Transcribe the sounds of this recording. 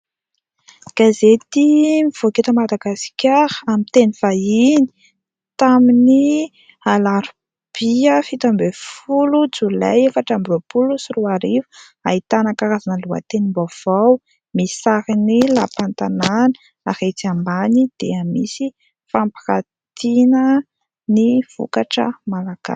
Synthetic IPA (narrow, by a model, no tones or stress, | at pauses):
ɡ̥azet̪imiv̥oket̪əmad̪aɡaskʲaɾəamint̪eniv̥aini̥ | t̪amini | alaɾu | b̥iəfit̪ambefulud͡zula̰jefaʈ͡ʂambrupulusiruaɾivu̥ | ait̪anakaɾazanəlua̰t̪enimbav̥aw | misaɾinilapant̪ananə | ahet͡siambanid̪̥eamisi | fampḁkat̪ʰinə | niv̥ṵkaʈ͡ʂə̰malaɡ̥a̰s